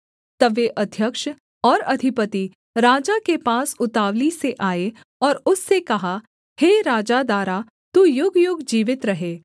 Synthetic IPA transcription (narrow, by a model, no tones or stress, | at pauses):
t̪ɐʋjeʔɐd̪ʱjəkʃ | ɔːɾɐd̪ʱɪpət̪i | ɾaːd͡ʒakepaːsʊt̪aːʋliseʔaːe | ɔːɾʊsːekɐɦa | heːɾaːd͡ʒad̪aːɾa | t̪uːjʊɡjʊɡd͡ʒiːʋɪt̪ɾɐɦeː